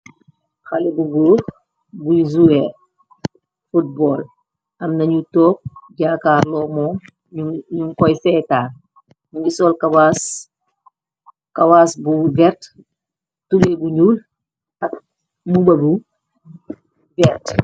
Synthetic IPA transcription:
xɐlɛbuɡuːɾ | buizuɛr | fut̚bɔːl | ʔɐmnɐɲutɔːp̚ɟaːkaːɾlɔːmɔːm | uɲuŋkɔjsɛːtaːr | nɐɲɟusɔːlkawas | kɐwaːsbuvɛɾt | tulɛbuɲuːl | tɐk | mubɐbu | vɛrt

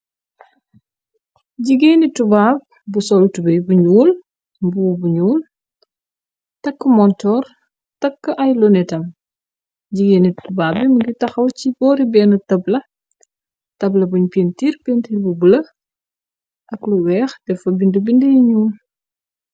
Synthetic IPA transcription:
ɟiɡeːnitubaːb̚ | busɔlutubəjbuɲuːl | bubuɲuːl | tɐkːəmɔntɔːr | tɐkːəʔɐjlɔnɛtɐm | ɟiɡeːnitubaːbimuɡitɐxɐwcibɔːɾibɛːnɐtɐblɐ | tɐblɐbuɲpentiːrpentiːɾbubulɐ | ʔɐkluwɛːxdɛfɐbindəbindəjiɲuːl

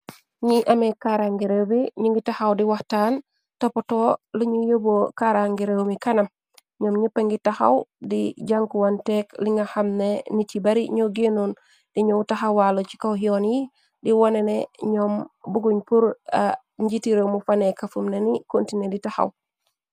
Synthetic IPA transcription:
ɲiʔamekaɾaŋɡiɾewbiɲuŋɡitahawdiwahtan | topotoluɲujobokaɾaŋɡiɾewmikanam | ɲɔmɲupːeŋɡitaxa̰wdḭɟaŋkuwantekliŋɡahamnenicibaɾiɲoɡenun | d̥iɲowtaxawwalot͡ʃi̥kawɦionji | diwaneneɲɔmbuɡuɲpuɾa | ɲɟitiɾewmufanekafumnenikontineditaxa̰w

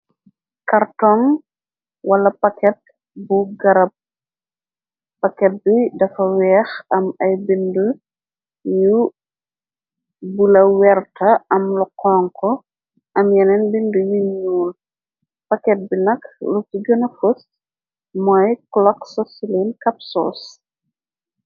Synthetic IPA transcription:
kɐrtɔŋ | wɐlɐpɐkɛt̚ | buɡɐɾɐp̚ | ɐkɛt̚bidɐfɐwɛːxɐmɐjbindu | ju | bulɐwɛrtʰɐɐmluqɔːŋkɔ | ʔɐmjɛnɛnbindujuɲuːl | pɐkɛt̚binɐklutiɡɔnɐfus | mɔjklɔksɔsilenkɐp̚sɔ̰ːs

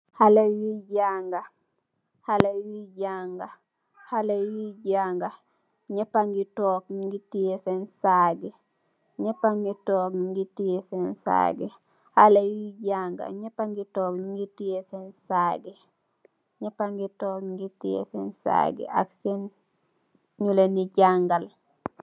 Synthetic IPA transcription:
halawiɟaŋɡa | halawiɟaŋɡa | halewiɟaŋɡa | ɲɛpaŋɡitɔːk̚ɲŋɡitijesensaɡɛ | ɲɛpaŋɡitɔːkɲŋɡitijesensa̰ɡɛ | halejiɟaŋɡa̰ɲepaŋɡitɔːkɲiŋɡitijesensaːɡe | ɲɛpaŋɡitɔːkŋɡitijḛsensa̰ɡɛ̰ʔa̰ksen | ɲuleniɟaŋɡal

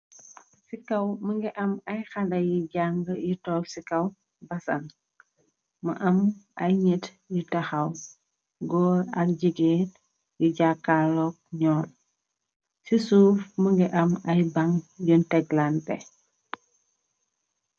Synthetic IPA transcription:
sikɐwməŋɡɛʔɐmɐjxɐlɐjiɟaŋɡəjitɔːksikɐw | bɐsɐ̰n | mɐʔɐmʔɐjɲit | jitɐxɐw | ɡɔːɾɐk̚ɟiɡet | juɟakːalɔk̚ɲɔːl | sisuːfməŋɡɛʔɐmɐjbɐŋjuntɛɡlantɛ̰

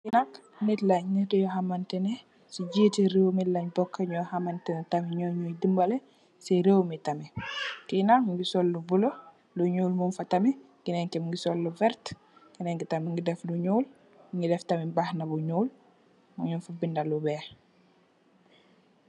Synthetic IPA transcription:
kinak | nitlaɲɲitɛjɔhamantɛnɛ | siɟiːtiɾewmilɐɲbɔkːaɲɔhamantɛnɛtamiɲɔɲɔjdimbɐlɛ | siɾewmitamikinakŋɡisɔlːubulo | luɲuːlmunfɐtɐmi | ɡinɛŋkɛmŋɡisɔlːuvɛɾt | ɡinɛŋɡitamiŋɡidɛfluɲuːl | ŋɡidɛftɐmibahnabuɲuːl | muɲunfabindalubɛ

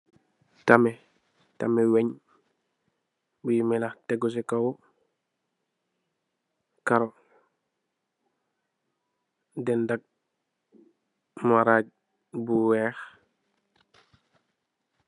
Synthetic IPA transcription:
tamɛ | tamɛweɲ | bujmɛlaxtɛɡɔs̬ɛkaw | kaɾɔ | dɛndak̚ | maɾaɟ̚ | buwɛːx

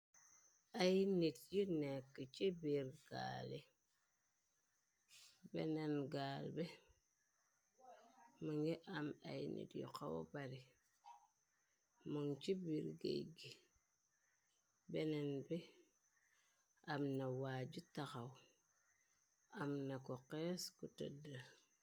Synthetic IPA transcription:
ajnetjinekːit͡ʃebiɾɡ̥a̰le | bḛnenɡaːlbe | məŋɡeʔama̰inḛtjḭkawo̰baɾi | muŋt͡ʃibiɾɡḛɡi | benenbe | amnawaːd͡ʒutakaw | amnakokeskutə̰da

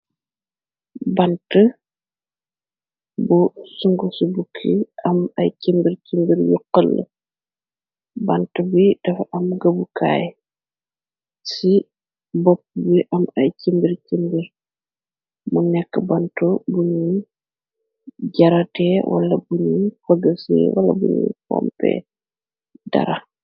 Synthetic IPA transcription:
bɐntə | busuŋɡusubukʰːiɐmɐ̰jcimbiɾcimbiɾjuqːəlːə̰ | bɐntəbud̥ɐfʔɐmɡɐbukʰa̰ːj | si | bɔp̚ːbiʔɐmɐjcimbiɾcimbiɾ | munɛkːəbɐntubuɲu | ɟɐɾɐtɛwʔɐ̰lɐbuɲufɐɡəsɛ̰wɐlɐ̰buɲṵfɔ̰mpɛ̰ | dɐ̰ɾɐ

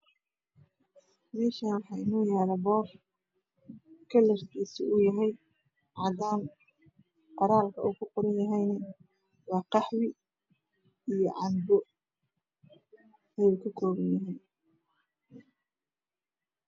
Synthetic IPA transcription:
mɛːʃaːnwɑħɑːɪnɔːjaːɾɛbɔːf | kʰɐlɐrk̪ʰiːsɪʊjɐɦɛj | ʕɑːd̪aːn | qɑɾaːlkʰɐʔuːkʰʊqɔɾɐnjɐɦɛjnɐ | wɑːqɑħwɪ | ijɔʕɑnbɔ | ɛjuːkʰɐkʰɔːβɐnjɐɦiːn

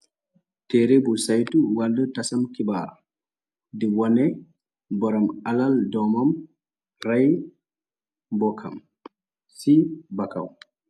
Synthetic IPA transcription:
tɛɾebusajtuwaldutasamkibaːɾa | dɛwɔnɛ | bɔɾɔmalaldɔmam | raj | bɔkʰa̰m | sibaka̰w

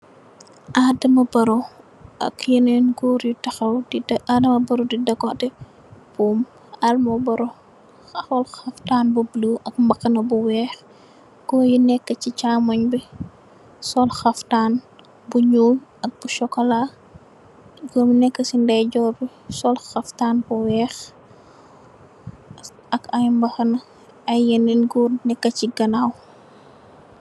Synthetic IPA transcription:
ʔadɐmɐbɐɾɔ | ʔɐ̰kjɐnɛnɡuːɾjutɐxɐwadɐmɐbɐɾudidɐkɔtɛ | b̥uːm | almɐbɐɾɔ | ɔlxɐftaːnbubiluʔɐk̚mbɐkːɐnɐbuwɛːx | kɔːjunɛkːəcit͡ʃaːmɐɲbi | sɔlxɐftaːn | buɲuːɐk̚buʃɔkːɔla | ɡɔmnɛkːəsindɐjɟɔːbi | sɔlxɐftaːnbuwɛːx | ɐkɐjmbɐxɐnɐ | ɐjjɐnilɡunɛkːɐciɡɐnaw

